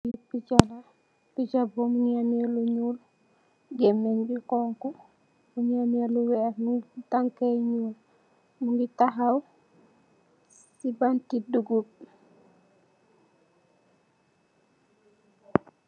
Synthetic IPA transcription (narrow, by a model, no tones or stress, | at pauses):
ipit͡ʃala | pit͡ʃabɔmuɲamɛluɲul | ɡɛmːɛnbikɔŋkɔ | muɲamɛluwɛɾmuŋtaŋkaɲuːl | muŋɡitaɦaw | sibantiduɡub̚